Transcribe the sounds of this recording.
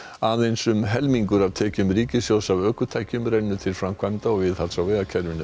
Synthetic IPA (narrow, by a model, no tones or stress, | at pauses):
aðejnsʏmɦɛlmiŋkʏɾavt̪ʰɛːcʏmɾiːcɪsjowsavœːkʏt̪ʰajhcʏmɾɛnːʏt̪ʰɪlfɾamkʰvajmt̪aɔvɪðhalsawvɛːðacʰɛɾvɪnːʏ